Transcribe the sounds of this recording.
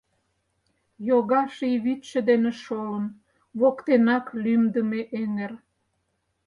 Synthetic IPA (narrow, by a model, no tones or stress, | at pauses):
joɣɑʃiβit̪ʃə̆d̪enĕʃoən | βokt̪enɑklymd̪əmeʔeŋer